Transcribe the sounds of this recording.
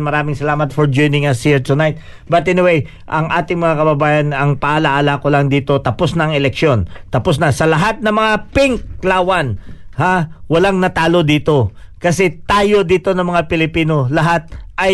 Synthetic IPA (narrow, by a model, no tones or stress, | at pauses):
mɐɾaːmɪŋsɐlaːmɐt̪̚fɔɹd͡ʒojnɪŋɐsɪɹt̪unajt̪̚ | bɐt̪ʔɪnɪwej | ʔɐŋʔa̰ːt̪ɪŋmɐŋakɐbɐbaːjɐnɐŋpaʔːlaʔalakolaŋd̪iːt̪o̞t̪ɐposnɐɐŋɛlɛkʃjo̞nt̪ɐpos̬nɐsɐlɐɦat̪̚nɐŋmɐŋapɪŋlaːwɐnhawɐlaŋnɐt̪aːlo̞d̪iːt̪o̞kɐsɛt̪aːjo̞d̪iːt̪o̞nɐŋmɐŋapɪlɪpiːno̞lɐɦat̪̚ʔɐj